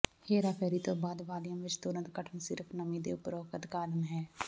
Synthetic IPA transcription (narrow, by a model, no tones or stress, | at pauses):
heːɾaːpʰɛːɾit̪obaːd̪ʋaːljəmʋɪt͡ʃt̪ʊɾə̃nt̪kəʈʰənsɪɾpʰnəmĩd̪ḛʊpɾoːkət̪kaːd̪əmɦɛː